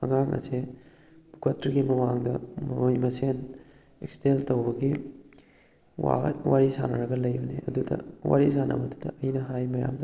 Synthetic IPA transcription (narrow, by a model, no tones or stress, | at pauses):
ɐ̰ŋaŋɐ̰se | bɡɐtɾiɡimɐmaŋdɐmjmɐsen | eksteltɐwbɐɡi | wa̰wʔaɾisa̰nɐɾɐɡɐlɐjbɐneʔɐ̰dudɐ̰wa̰ɾisanɐ̰bɐdudɐ̰ɐjnɐɦajmɐja̰mdɐ